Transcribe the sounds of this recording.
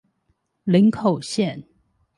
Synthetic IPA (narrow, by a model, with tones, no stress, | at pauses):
li˧˥nkʰo˨˩ʊɕjɛ˥˨n